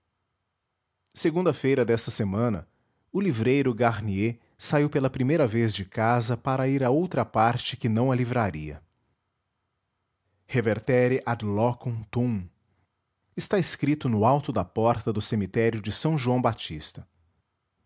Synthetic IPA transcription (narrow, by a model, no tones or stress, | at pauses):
seɡũnd̪ɐfejɾɐd̪ɛst̪ɐsemɐ̃nɐ̰ | ʊlivɾejɾʊɡaɾnie | saiwpelɐpɾimejɾɐvezd͡ʒɪkazɐpaɾɐiɾɐowt̪ɾɐpaɾt͡ʃɪkɪnɐ̃w̃ɐlivɾaɾiɐ̰ | heveɾt̪ɛɾɪʔad̪lɔkõt̪ũ | ɪst̪aeskɾit̪ʊnʊawt̪ʊd̪ɐpɔɾt̪ɐd̪ʊsemit̪ɛɾjʊd͡ʒɪsɐ̃w̃ʒuɐ̃w̃bat͡ʃist̪ɐ